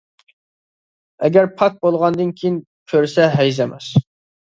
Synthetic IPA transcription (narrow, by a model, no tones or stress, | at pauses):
ɛɡʲæɾpʰɑk̚bolˠʁɑnd̪ɨnkʲʰijin | kʲʰøɾsɛɦɛjzɛmɛ̰s